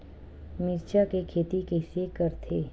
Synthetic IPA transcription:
mɪɾt͡ʃakekʰeːt̪ikeːsekəɾt̪ʰeː

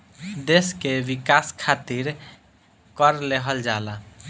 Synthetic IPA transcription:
d̪eskeʋikaskʰat̪iɾ | kəɾleɦəld͡ʒala

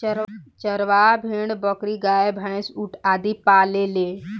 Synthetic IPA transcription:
t͡ʃəɾʋaːbʱẽːɳ̃ɽbəkɾiɡaːebʱãɪ̃suʈʰaːd̪ipaːleleː

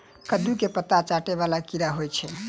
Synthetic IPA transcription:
kəd̪ukepət̪at͡ʃaʈeβalakiɾaɦojt͡ʃʰɛ

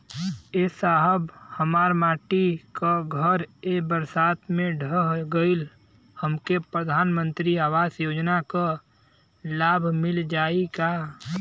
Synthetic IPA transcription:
esaɦəbhəmaːɾmaːʈikaɡʱəɾebəɾsaːt̪mẽɖʱəɦɡəɪl | həmkepɾəd̪ʱaːnmə̃nt̪ɾiaːwaːsjoːd͡ʒnaka | laːbʱmɪld͡ʒaːikaː

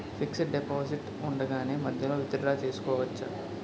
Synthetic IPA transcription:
fʰiksɖepaːsiʈ | uɳɖɐɡaːneːmɐd̪ʱjɐloːʋit̪ɐɾɐɽaːt͡ʃe̞ːsu̥kɔːʋɐt͡ʃːɐ̰

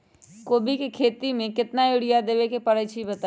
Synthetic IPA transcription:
koːbʱikekʰeːt̪imẽkɪt̪najʊɽijad̪eːʋekepɐɽət͡ʃʰibɐt̪a

